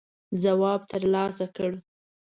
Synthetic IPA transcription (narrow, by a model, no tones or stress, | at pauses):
zawɑbt̪əɾlɑsakəɽ